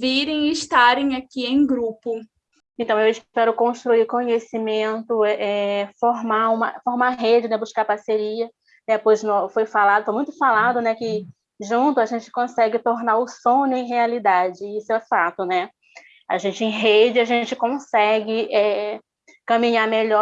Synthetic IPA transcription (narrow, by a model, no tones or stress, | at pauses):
viɾẽj̃ɪɪʃt̪aɾẽj̃akiẽj̃ɡɾupʊ | ẽnt̪ɐ̃w̃ewɪʃpɛɾʊkõʃt̪ɾuikõɲesimẽnt̪ʊʔɛfoɾmaũmɐfoɾmaɦed͡ʒɪnɛbuʃkaɾpaɾseɾiɐ | nɛpojznofojfalad̪ʊfojmũj̃t̪ʊfalad̪ʊnɛkɪ | ʒũnt̪ʊaʒẽnt͡ʃɪ̥kõsɛɡɪt̪oɾnaɾʊsõnʊẽj̃ɦealid̪ad͡ʒɪiseɛfat̪ʊnɛ | a̰ʒẽnt͡ʃɪẽj̃ɦed͡ʒɪaʒẽt͡ʃɪkõsɛɡɪʔɛ | kɐ̃mĩɲameʎɔ